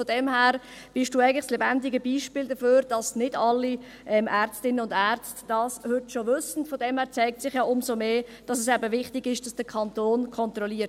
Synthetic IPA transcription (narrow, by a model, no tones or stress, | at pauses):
fod̥ɛmhæːɾb̥ɪʃd̥uːæɪən̩lɪslɛbændɪɡəbiːʃpiːldəføːɾd̥ɑsnɪdɑlːi | ʔɛmʔæːɾt͡stɪnənʊndæɾt͡std̥ɑːshʏtʃoʋʏsən̩tfodɛmhæːɾt͡sæɪk̚tt͡sɪχjɑːʔʊmsomeːd̥ɑsɛsɛbəvɪχtɪɡɪʃd̥ɑsd̥əkʰɑntoːnkʰɔntɾɔliːət